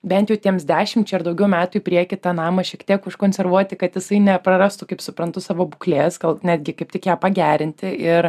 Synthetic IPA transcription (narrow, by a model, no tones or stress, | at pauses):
bʲɛnt̪ʲjɛʊt̪ʲiɛmsd̪ʲæːʃʲɪmt͡ʃʲɛɪɾd̪ɐʊɡʲɛʊmʲæːt̪ʊɪpʲɾʲiɛkʲɪt̪ɑnɑːmɐʃʲiɛkt̪ʲiɛkʊʃkoːnʲsʲɛɾʋuɔt̪ʲɪkɐt̪jɪsɐɪnʲɛpɾɐɾɑst̪ʊkɐɪpsʊpɾɐnt̪ʊsɑːʋoːbuklʲeːsɡɐlˠnʲæːd̪ʲɡʲɪkɐɪp̚t̪ʲɪkjæːpɐɡʲæːɾʲɪnʲt̪ʲɪɪɾ